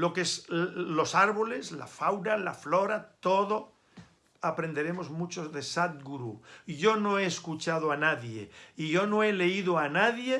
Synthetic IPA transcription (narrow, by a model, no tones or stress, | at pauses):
lo̞keslo̞saɾβole̞zla̰fawɾala̰floɾat̪oðo | apɾe̞nd̪e̞ɾe̞mo̞zmut͡ʃoðe̞sat̪̚ɡuɾuʝo̞noe̞ːskut͡ʃaðoanaðje̞iʝo̞noele̞iðoanaðje